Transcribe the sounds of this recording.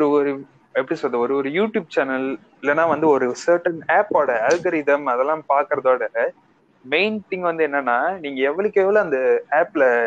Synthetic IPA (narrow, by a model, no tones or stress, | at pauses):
ɔɾɯɔɾɯ | ɛpːɐɽisɔɾɐðɐɔɾɯɔɾɯjuːʈjuːb̚t͡ʃɐnɐl | ɪlːɐnːaːʋɐnd̪ɯɔɾɯsɐːɾʈːɐneːpoːɽɐalɡɐɾɪðɐmɐðɛlːãːpaːɾkɪɾɐðoːɽɐɾɐ | meɪnt̪ɪ̃ŋɡʋɐnd̪ɯɛnːɐnːaːniːŋɡɐɛʋːɐɭɯkːeːʋɐlõɐnd̪ɐaːplɐ